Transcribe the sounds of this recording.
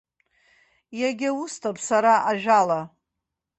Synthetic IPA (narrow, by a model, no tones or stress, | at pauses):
jaɡʲaustʰapʰsaɾaʔaʒᶣala